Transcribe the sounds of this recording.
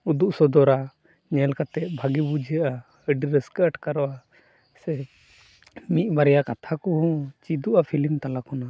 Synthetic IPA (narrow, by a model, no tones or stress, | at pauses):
ud̪uʔsɔd̪ɔɾa | ɲɛlkat̪ɛʔ̪̚bʱaɡibud͡ʒəʔa | əɖiɾɛskəəʈkaɾɔʔa | sɛ | mit̪̚ˀbaɾɛjakat̪ʰakɔhɔ̃t͡ʃid̪uʔapʰilimt̪alakɔna